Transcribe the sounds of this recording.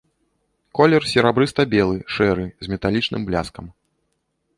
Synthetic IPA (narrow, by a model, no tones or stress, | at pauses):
kɔlʲɛrsʲɛɾabɾɨst̪ɐbʲɛlˠɨʂɛɾɨzʲmʲɛt̪alʲit͡ʂnɨ̰mblʲaskɐm